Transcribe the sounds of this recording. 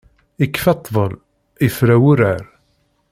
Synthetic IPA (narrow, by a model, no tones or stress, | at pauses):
ikːfɑt̪ˤːvˤəl | ifɾæwʊɾaɾ